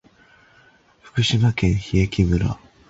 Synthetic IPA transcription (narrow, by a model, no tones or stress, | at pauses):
ɸɯ̟̥kɯ̟ɕimakẽ̞ɰ̃çiekʲimɯ̟ɾa̰